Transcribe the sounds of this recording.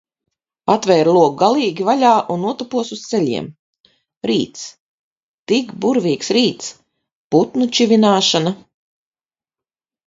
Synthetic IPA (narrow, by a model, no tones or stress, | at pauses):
at̪vɛːɾlˠuɔk̚ɡalˠiːɡʲivalʲaːʔunːuɔt̪upuɔsust̪sɛʎʲḭɛm | ɾiːt̪s | t̪ikbuɾviːksɾiːt̪s | put̪nut͡ʃivʲinaːʃana